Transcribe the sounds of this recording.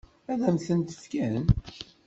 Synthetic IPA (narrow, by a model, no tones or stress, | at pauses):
æðæmθənt̪ə̥fkæn